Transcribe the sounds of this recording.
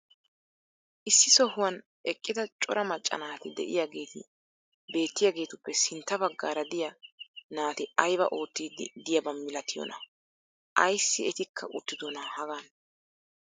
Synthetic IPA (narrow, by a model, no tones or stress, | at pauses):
ʔɪsːɪsɔhʊwɐn | ʔɛkʼːɪd̪ɐt͡ʃʼɔɾʔɐmɐt͡ʃʼːɐ̰naːt̪ɪd̪ɛ̰ʔɪjaɡe̞ːt̪ɪ̰ | be̞ːt̪ːɪjaːɡe̞ːt̪ʊpːɛsɪnt̪ːɐbɐɡːaːɾɐd̪ɪjɐnaːt̪ɪɐjbɐ̰ʔo̞ːt̪ːid̪d̪ɪjɐbɐmːɪlɐt̪ːɪjɔ̰nɐ̰ | ʔɐjsːɪɛt̪ɪkʰːɐʔʊ̰t̪ːɪd̪ɔnɐhɐɡan